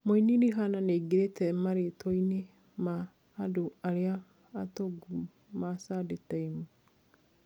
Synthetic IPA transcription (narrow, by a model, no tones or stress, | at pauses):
moiniɾiɦananeːɡeɾetʰɛmaɾetɔine | maː | doaɾeaː | toɡu | masadetɛimu